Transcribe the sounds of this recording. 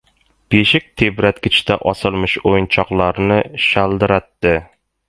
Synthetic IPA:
b̥eʃɪk̚ʲt̪ʰebɾat̪kʲɪt͡ʃt̪ʰaʔɒsɪlmɪʃojnt͡ʃʰɒqlˠaɾnɪʃalˠd̪ɪɾat̪ːɪ

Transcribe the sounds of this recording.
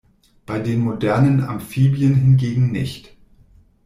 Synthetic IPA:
b̥aɪdeːnmodɛɐnəna̰mfiːbjənɦɪnɡeːɡŋ̩nɪ̰çt

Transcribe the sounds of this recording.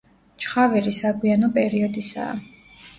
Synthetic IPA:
t͡ʃχavɛɾisaɡwianɔpʼɛɾiɔd̪isa̰ː

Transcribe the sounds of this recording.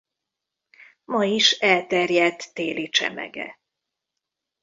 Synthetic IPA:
mɒiʃɛlt̪ɛrjɛt̪ːeːlit͡ʃɛ̰mɛ̰ɡɛ̰

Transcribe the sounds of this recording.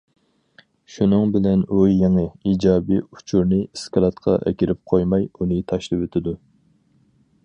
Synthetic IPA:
ʃunɨŋbɪlɛnujjeŋɨid͡ʒɑːbiu̥t͡ʃʰuɾnɨskʰɑlˠɑt̪qʰɑ̰ʔɛ̰kʲiɾɪp̚qʰojmɑjunɨt̪ʰɑʃlɨwet̪ʰɪd̪u

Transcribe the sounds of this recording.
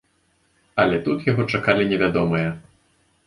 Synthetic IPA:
ɐlʲɛt̪ut̪jaɣɔt͡ʂakalʲinʲɛvʲad̪ɔmɨjɛ

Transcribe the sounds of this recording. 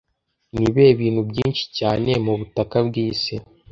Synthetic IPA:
niβe̞ːβiːn̥hubɟiːnʃi̥caːne̞muβutakabɡiːse

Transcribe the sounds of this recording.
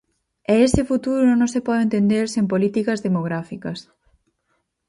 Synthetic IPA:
ɛesɪfut̪uɾonõnõŋsepɔðent̪end̪eɾsempolit̪ikɐzðemoɣɾafikɐs

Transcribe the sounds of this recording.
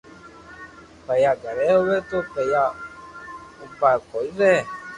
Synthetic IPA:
pɛjaɡaɾɛowɛtopɛja | upakɔiɾɛ

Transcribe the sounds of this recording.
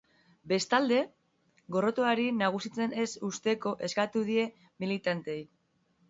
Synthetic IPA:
be̞st̪ald̪e̞ | ɣo̞ro̞t̪oaɾinaɣ̞usit͡se̞ne̞sust̪e̞ko̞ʔe̞skat̪uðie̞ | milit̪ant̪eej

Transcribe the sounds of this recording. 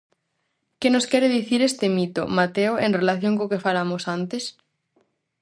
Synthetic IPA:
kenoskɛɾeðiθiɾest̪emit̪o̰mat̪eoenrelaθjõŋkokefalamosant̪es

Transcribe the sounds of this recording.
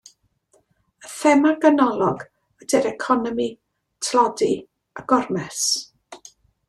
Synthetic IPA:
əfɛmaɡənɔlˠɔɡ | ədɛɾɛkʰɔnɔmi | tʰlɔdi | aɡ̥ɔrmɛs

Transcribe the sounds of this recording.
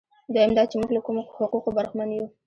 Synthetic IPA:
d̪ajamd̪ɑt͡ʃemuɡlakumohʊquqobaɾxmanju

